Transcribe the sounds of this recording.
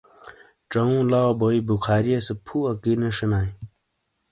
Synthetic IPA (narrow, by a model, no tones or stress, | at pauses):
ʈ͡ʂɐũːlaboibukʰaːɾijesepʰuːɐkineʂinaːĩ